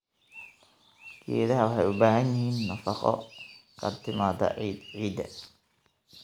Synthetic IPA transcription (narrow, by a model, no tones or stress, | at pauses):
kʰḭːðɐɦɐwʊħɑjʊbaːɦɐnɪhiːnːɐfɑqɔ̰kʰɐt̪ʰɪmaːd̪ɐ̰ʕiːd̪ɐ̰